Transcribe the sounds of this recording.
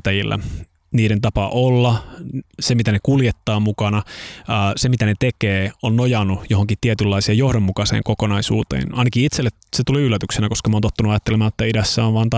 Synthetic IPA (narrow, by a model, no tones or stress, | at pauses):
t̪ːæjilːæ̰ | niːɾent̪ɑpɑʔolːɑsemit̪ænekuljet̪ːɑːmukɑnɑː | semit̪ænet̪ekeːonːojɑnːujoɦoŋkit̪t̪iet̪ylːɑisiɑjo̞hdomːukɑsḛːŋkokonɑisṵːt̪ḛːnɑinɑkiit̪selːetset̪uliylːæt̪yksenækoskɑmont̪ot̪ːɑnuɑjɑt̪ːelemæːet̪ːæidæsːæoʋʋɑːnt̪ɑ